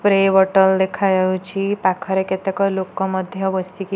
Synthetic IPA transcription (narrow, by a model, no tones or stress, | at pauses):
pɾeʋəʈəld̪ekʰajaut͡ɕipakʰəɾeket̪ekɔlokɔməd̪ʱjəʋəsiki